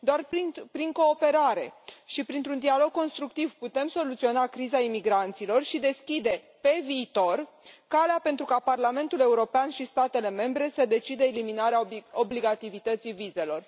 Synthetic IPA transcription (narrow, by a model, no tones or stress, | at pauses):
d̪oarpipɾiŋko̞ːpe̞ɾaɾe̞̰ʃipɾint̪ɾund̪ialo̞ɡ̚kːo̞nst̪ɾuk̚t̪ivput̪e̞mso̞lut̪sio̞nakɾizaimiɡɾant̪silo̞rʃid̪e̞skʲid̪e̞ | pe̞viːt̪o̞r | kaleape̞nt̪ɾukaparlame̞nt̪ule̞uɾo̞peanʃist̪at̪e̞le̞me̞mbɾe̞səd̪e̞t͡ʃid̪əeliminaɾeaobliɡat̪ivit̪ət̪sivize̞lo̞r